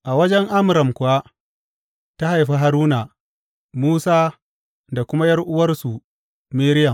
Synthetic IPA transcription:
ʔa˨wɐ˦d͡ʒɛ˦ŋʔa˦mʊ˨ɾɐ˨mkʷʊ˨a˦ | ta˦ha˨jɸi˦ɦa˨ɾuː˦naː˨ | muː˦saː˦ | da˨kʷʊ˦ma˦jɐ˦rʔʊ˦wɐ˦rsu˨ | meː˦ɾɪ˦jɐ˨m

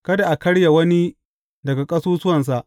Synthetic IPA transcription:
kɐ˦da˨ʔa˨kɐ˦ɽja˨wɐ˦ni˦ | dɐ˨ɡa˨kʼɐ˦suː˦sʊ˦wɐ˨ns̬a˨ʔ

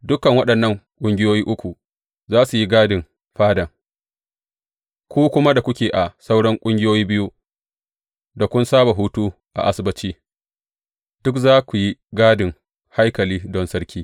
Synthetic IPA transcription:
dʊ˦kɐ˨ŋwɐ˦ɗɐ˨nːɐ˦˨ŋkʷʼʊ˦ŋɡʲɪ˦joː˦jiː˦ʔʊ˦kʷu˨ | zaː˦su˨ji˦ɡaː˦dɪ˨m | ɸaː˦dɐ˨ŋ | kʷuː˦kʷʊ˦ma˦da˨kʷʊ˦kʲeː˨ʔa˨sa˦wɽɐ˦ŋkʷʼʊ˦ŋɡʲɪ˦joː˦jiː˦bɪ˦ju˦ | da˨kʷʊ˦nsaː˦ba˨ɦuː˦tuː˦ | ʔa̰˨ʔa˦sɪ˦bɐ˦t͡ʃiː˦ | d̥ʊ˦kzaː˦kʷu˨ji˦ɡaː˦dɪ˨ŋ | ha˦jkɐ˨liː˦dɔ˦nsɐ˦ɽkʲiː˦

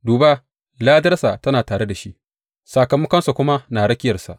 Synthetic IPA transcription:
duː˨baː˦ | laː˦dɐ˦rsa˨tɐ˦naː˨taː˨ɽe˦da˨ʃi˦ʔ | sa˨kɐ˨mɐ˦kɐ˦nsa˨kʷʊ˦ma˦naː˨ɽɐ˦kʲɪ˦jɐ˨sa̰˨ʔ

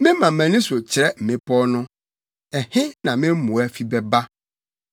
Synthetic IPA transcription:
mɪ̃˦mã˨mæ̃˨nɪ̃˦so˨t͡ɕʰɪ˨ɾɛ˦m̩˨mɪ̃˦pʰɔ˦nʊ̃˦ | ɛ˨hɪ̃˦nã˨mɪ̃˦m˦mʊ̃˨ɛ˦fi˦bɛ˨ba˦

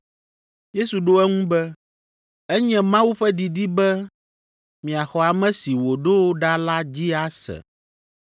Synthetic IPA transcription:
je˦su˨ɖo˦ɛ˦ŋũ˦bɛ˦ | ɛ˦ɲɛ̃˦mã˦wu˦ɸɛ˦d̪i˨d̪i˦bɛ˦ | mĩ˨a˨xɔ˨a˨mɛ̃˦si˨wo˨ɖo˦wo˦ɖa˦la˦d͡ʑi˦a˦sɛ̰˨

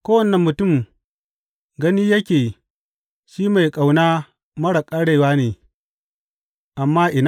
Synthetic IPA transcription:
kʷoː˦wɐ˨nːɐ˨mːʊ˨tʊ˦˨m | ɡɐ˦niː˦jɐ˦kʲeː˨ | ʃiː˦ma˨jkʼa˨wnaː˦ | mɐ˦ɽa˨kʼa˦ɽeː˨waː˦neː˨ | ʔa˨mːaː˦ʔɪ˨n

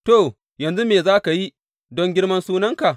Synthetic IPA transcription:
toː˦˨ | jɐ˨nzu˦meː˨zaː˦ka˨ji˦ | dɔ˦ŋɡʲɪ˦ɽmɐ˦nsuː˦nɐ˦ŋka˨ʔ

